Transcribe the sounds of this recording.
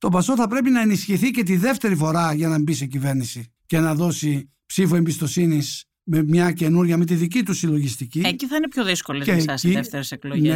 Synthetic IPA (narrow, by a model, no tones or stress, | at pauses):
t̪o̞bɐso̞θɐpɾe̞pinɐe̞nisçiθice̞t̪iðe̞ft̪e̞ɾifo̞ɾɐʝɐnɐmbisecive̞ɾnisi | ce̞nɐðo̞si | psifue̞mbist̪o̞sinis | memɲɐce̞nuɾʝɐmet̪iðic̬it̪usilo̞ʝist̪icieciθɐinepçoðiskolezeɐsiðeft̪eɾesekloʝne